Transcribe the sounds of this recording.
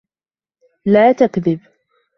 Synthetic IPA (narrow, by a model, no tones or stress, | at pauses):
laːt̪akðɪb